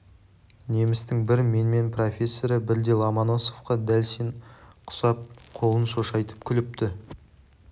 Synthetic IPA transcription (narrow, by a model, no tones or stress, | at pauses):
ne̞mɪst̪ɪŋbɪɾɪme̞nme̞nprofʲe̞sːoɾəbɪɾd̪elˠɑmɑno̞sofqɑd̪ælse̞ɴqʰʊ̥sɑp̚qʰo̞lˠənʃo̞ʃɑjt̪əp̚kʲʰʏlɪp̚t̪ɪ